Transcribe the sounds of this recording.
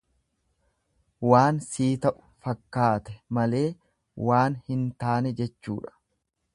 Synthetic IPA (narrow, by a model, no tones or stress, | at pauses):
waːnsiːt̪ɐʔʊ̥fɐkːaːt̪ɛmɐle̞ː | waːnhɪnt̪aːnɛd͡ʒɛt͡ʃːuːᶑɐ̥